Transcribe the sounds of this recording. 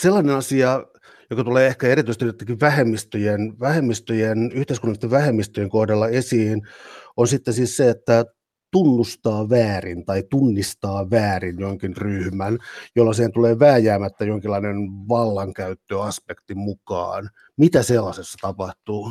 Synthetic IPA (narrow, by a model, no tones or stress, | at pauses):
selːɑnenɑsiɑ | jokɑt̪uleːehkæeɾit̪yist̪jot̪ːekiʋʋæhemːist̪øjenʋæhemːist̪øjenyht̪eiskunːɑlist̪ːeʋʋæhemːist̪øjeŋkohdɑlːɑesiːnonsit̪ːesiːsseet̪ːæ | t̪unːust̪ɑːʋæːrint̪ɑit̪unːist̪ɑːʋæːrinjoŋkinryhmænjolːɑsihent̪uleːʋæːjæːmæt̪ːæjoŋkilːɑinenʋɑlːɑŋkæyt̪ːøɑspekt̪imukɑ̰ːn | mit̪æselːɑsesːɑ̥t̪ɑpɑht̪uː